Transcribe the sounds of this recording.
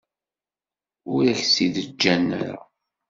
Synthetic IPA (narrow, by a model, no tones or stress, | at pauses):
ʊɾæçsiðəd͡ʒːænːə̰ɾ̰